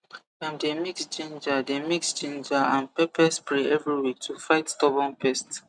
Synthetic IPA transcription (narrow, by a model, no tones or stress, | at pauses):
ãmdemiksd͡ʒẽnd͡ʒademikst͡ʃẽnd͡ʒaãnpɛpɛspɹeʔɛvɹiwik̚tʰufaɪtstɔbɔ̃npɛst